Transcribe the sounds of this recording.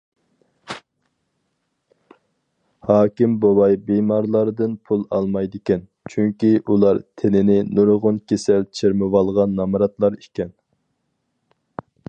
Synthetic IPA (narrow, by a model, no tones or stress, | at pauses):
hɑːkʲimbowɑjbemɑɾlˠɑɾd̪ɨnpʰulˠɑ̰lˠmɑjd̪ɪkʲɛn | t͡ʃʰyŋkʲiʔulˠɑɾt̪ʰenɪnɪnuɾʁʊnkʲesɛlt͡ʃʰeɾmɨwɑlˠʁɑnːɑmɾɑt̪lˠɑɾikʲɛn